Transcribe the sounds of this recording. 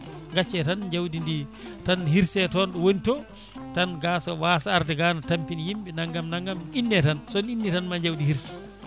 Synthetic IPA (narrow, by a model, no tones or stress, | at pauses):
ŋɡat͡ʃːɛtand͡ʒawdindi | tanhiɾsɛtɔnɗɔwonitɔ | tanɡasɔwaːsaaɾdɛɡanatampinijimɓɛnaŋɡamnaŋɡaminːɛtansɔninːitanmaɲd͡ʒawdihiɾsɛ̥